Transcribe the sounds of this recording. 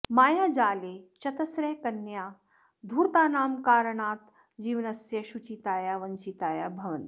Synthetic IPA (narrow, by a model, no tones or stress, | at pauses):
maːjaːd͡ʒaːleːt͡ʃɐt̪ɐsɾɐjkɐnjaː | d̪ʱuːɾt̪aːnaːmkaːɾəɳaːt̪ | d͡ʒiːʋɐnɐsjɐʃut͡ʃit̪aːjaʋɐɲt͡ʃit̪aːjabʱɐʋɐnt̪